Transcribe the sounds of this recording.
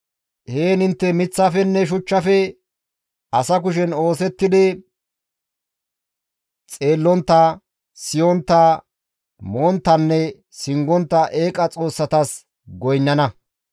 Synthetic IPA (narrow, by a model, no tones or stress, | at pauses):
heːnɪnt̪ːɛmɪt͡sːɐfɛnːɛʃ̬ʊt͡ʃːɐfɛ | ɐsɐk̬ʊʃɛno̞ːsɛt̪ːɪd̪ɪ | t͡sʼe̞ːlːɔnt̪ːɐ | sɪjɔnt̪ːɐ | mont̪ːɐnːɛ | sɪŋɡɔnt̪ːɐʔeːkʼɐt͡sʼo̞ːsːɐt̪ɐs | ɡɔjnːɐnɐ